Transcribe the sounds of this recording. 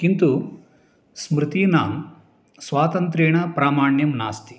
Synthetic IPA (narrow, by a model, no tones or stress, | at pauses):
kint̪u | smɾɪt̪inaːm | sʋaːt̪ɐnt̪̬ɾeːɳ̃ɐpɾaːmaːɳjɐmna̰ːst̪i̥